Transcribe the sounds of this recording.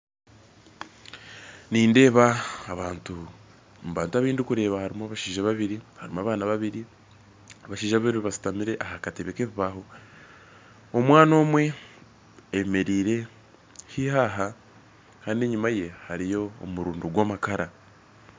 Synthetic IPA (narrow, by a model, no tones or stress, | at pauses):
niːnde̞ːβaːβaːntu | mβaːntuaβiːndikuɾe̞ːβahaɾimoaβaʃiːʒaβaβiɾihaɾimoaːβaːnaβaβiɾi | aβaʃiːʒaβaβiɾiβiβasi̥tamiɾe̞ʔahakateβekeβiβaho̞ | omwaːno̞ːmwe̞ː | me̞ɾiːɾe̞ | hihaɦa | kaːndieɲumaje̞haɾijo̞̰ːmuɾuːnduɡwoːmakaɾa